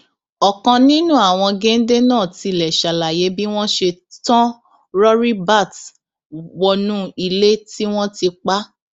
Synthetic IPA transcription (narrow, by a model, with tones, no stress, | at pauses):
ɔ˨kã˧nĩ˦nũ˦a˦˨w̃ɔ̃˧ɡe˦n̩˦de˦nãː˦˨ti˧˨lɛ˨ʃa˨la˨je˨˦bi˦w̃ɔ̃˦ʃe˧tɔ̃˦ | ɾɔ˦ɾi˦ba˦˨t | wɔ˧nũ˦i˧le˦ti˦w̃ɔ̃˦ti˧k͡pa˦